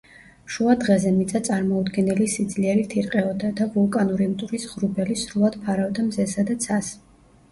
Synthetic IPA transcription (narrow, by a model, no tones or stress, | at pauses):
ʃuad̪ʁɛzɛmit̪sʼat̪sʼaɾmɔud̪ɡɛnɛlisid̪zliɛɾit̪ʰiɾqʼɛɔd̪ad̪avulˠkʼanuɾimt̪ʼuɾisʁɾubɛlisɾulˠad̪̥pʰaɾavd̪amzɛsad̪at̪sʰas